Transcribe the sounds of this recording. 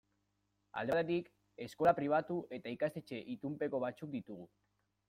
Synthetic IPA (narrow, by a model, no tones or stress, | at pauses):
a̰ld̪et̪at̪ik | e̞sko̞lapɾiβ̞at̪uʔe̞t̪aikast̪e̞t͡ʃe̞ʔit̪umpe̞ko̞β̞at͡suk̚d̪it̪uɣ̞u